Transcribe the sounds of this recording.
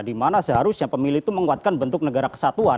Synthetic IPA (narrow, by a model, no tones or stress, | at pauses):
dimanasəɦaɾʊsɲapəmilut̪uməŋuat̪̚kanbənt̪ʊk̚nəɡaɾakə̥sat̪ua